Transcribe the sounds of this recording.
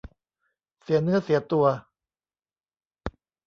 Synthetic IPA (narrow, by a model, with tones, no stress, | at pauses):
si˩˦ɐnɯ˦˥ɐsi˩˦ɐt̪u˧ɐ